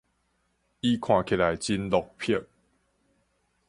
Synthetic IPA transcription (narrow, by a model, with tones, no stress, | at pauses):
i˦kʰw̃ã˨kʰe˨la˨jt͡ɕi˦nlɔ˨k̚pʰə˥˨ŋ